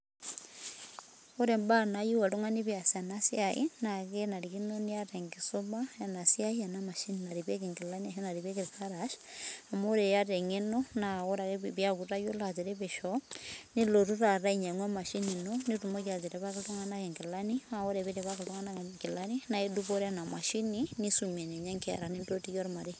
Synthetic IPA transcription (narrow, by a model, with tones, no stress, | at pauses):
oɾe˨mbanaju˦wa˨luŋa˦niβjasianasjaḭnakena˨ɾikinoniaɾeŋɡisoβaja˨na˨siaia˨namaʃinina˨ɾiβe˦kiŋɡilania˨hona˨ɾiβekiɾikaɾaʃa˨moɾe˨ja˦ɾeŋe˦nona˨o˦ɾa˨kebi˦a˦ku˨ɾa˦jo˦la˨d͡ʒe˨ɾɛ˦be˨ʃɔ˦ni˦lo˨ɾu˦ɾa˨ɾa˦i˨ɲa˨ŋwa˦ma˨ʃi˦ni˨no˦ni˦tu˨mo˦ka˨d͡ʒɛ˨ɾɛ˦ba˦ki˨˦tɔ˦ŋa˦na˦kɛ˨ŋɡɪ˨la˦ni˦ma˦˨ɔ˦ɾɛ˨βɛ˦ɾɛ˨βa˦kɪ˨tɔ˦ŋa˦na˦kɪ˨la˦ni˦na˦e˦du˦bo˦ɾɛ˦na˨ma˨ʃi˦ni˦ni˦su˨me˨ne˨ɲa˦ŋki˦a̰˨ɾa˨ni˦ndo˦ti˦kɔ˦ɾma˨ɾi˦